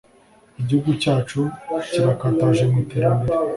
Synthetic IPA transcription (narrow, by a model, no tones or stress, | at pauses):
iɟihuɡucaːt͡ʃuciβakaːtaʒe̞miteːɾambeɾe